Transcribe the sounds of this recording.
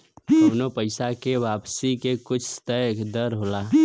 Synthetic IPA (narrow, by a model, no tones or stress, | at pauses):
ɐwnopəɪsakeʋaːpsikekʊt͡ʃʰst̪əjkd̪əɾɦoːla